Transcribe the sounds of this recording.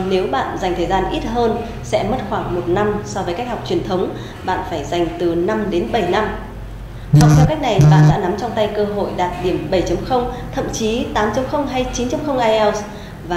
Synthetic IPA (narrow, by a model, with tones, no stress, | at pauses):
ne˨˦wɓa̰ː˧˨nza˨˩jŋ̟t̪ʰəː˨˩zaː˧nʔi˦˥t̚ɦəː˧n | sɛ̰˧˥mə˦˥t̚xwaː˧˩ŋmo˨˩t̚na˧msɔ˧vəː˨˦ka˦˥jk̚ha˨˩wk͡p̚t͡ɕwi˧˩ənt̪ʰə˨˦wŋ͡m | ɓa̰ː˧˨nfaː˧˩jza˨˩jŋ̟t̪ɨ˨˩na˧mɗe˨˦nɓə˧˩jna˧m | hʰɔ˨˩w̚k͡pt̪ʰɛ˧wka˦˥jk̟̚na˨˩jɓa̰ː˧˨nɗa̰ː˧˥na˨˦mt͡ɕɔ˧wŋ͡mt̪a˧jkəː˧ɦo̰˧˨jɗaː˨˩t̚ɗi˧˩əmɓə˧˩jt͡ɕə˨˦mxə˧wŋ͡mt̪ʰə̰˧˨mt͡ɕi˨˦t̪aː˨˦mt͡ɕə˨˦ŋ͡mxə˧wŋ͡mɦa˧jt͡ɕi˨˦nt͡ɕa˧mxə˧wŋ͡mʔaː˧jʔɛ˧ws | vaː˨